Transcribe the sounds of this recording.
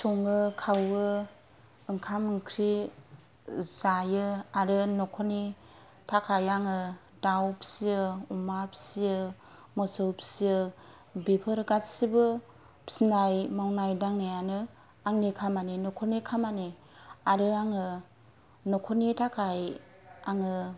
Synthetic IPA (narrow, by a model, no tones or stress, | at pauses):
sɔŋɯkʰawɯ | ɯŋkʰamɯŋkʰɾi | zajɯaɾɯnɔkʰɔni | tʰakʰajaŋɯ | dawpʰi̥siɯumapʰi̥siɯ | mɔsɯwpʰi̥siɯ | bepʰɯɾɡatsibɯ | psinajmawnajdaŋnajanɯ | aŋnikʰamaninɔkʰonikʰamani | aɾɯaŋɯ | nɔkʰɔnitʰakʰaj | aŋɯ